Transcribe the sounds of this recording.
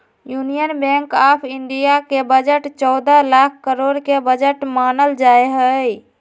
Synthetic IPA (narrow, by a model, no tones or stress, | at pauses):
junijənbɛ̃ŋkapʰiɳɖijakebəd͡ʒəʈt͡ʃɔd̪əlakʰkəɾoɽkebəd͡ʒəʈmanəld͡ʒaejɦəj